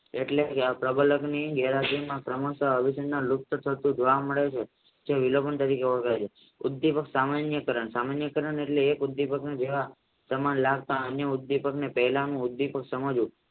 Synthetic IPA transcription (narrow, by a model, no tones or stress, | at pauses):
eʈlekeapɾəbələkniɡɛɾad͡ʒimãkɾəməsaəbisənːalʊkt̪ʰət̪ʰət̪ũd͡ʒʱoaməɭet͡ʃʰe | d͡ʒeʋilobənt̪əɾikeʋəɡajt͡ʃʰe | ʊd̪ːipəksamanjəkəɾəɳsamanjəkəɾəneʈleːkud̪ːjipəkned͡ʒeʋa | səmanlaɡt̪aənjəud̪ːipəknepəɦɛlanũʊd̪ːipəksəməd͡ʒũ